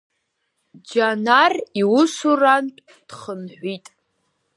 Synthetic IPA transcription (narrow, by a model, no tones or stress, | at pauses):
d͡ʒanariwʊsurantʼ | d̥χənħʷitʼ